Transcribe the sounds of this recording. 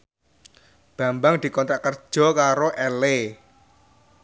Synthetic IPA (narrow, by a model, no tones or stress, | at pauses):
b̥ä̤mbaŋd̪̥i̤kɔnt̪ɾaʔkərd̥ʒ̥ɔ̤kaɾoʔɛle